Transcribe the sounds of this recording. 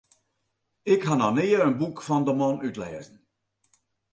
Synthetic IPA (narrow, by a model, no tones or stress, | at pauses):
ɪkhananeːəənbukfɑndəmɔnytlɛ̰ːzən̩